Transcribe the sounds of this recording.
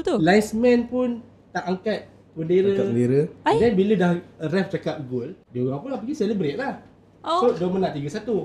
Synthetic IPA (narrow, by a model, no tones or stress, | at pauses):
t̪ulajsmɛ̃npʊn | t̪aʔaŋkat̪̚ | pəndeɾəaəndeɾədɛnbilədahrɛft͡ʃakap̚ɡʊldioɡaŋpunlap̬aɡisɛlibɾet̪̚lah | odomənaʔt̪iɡəsat̪u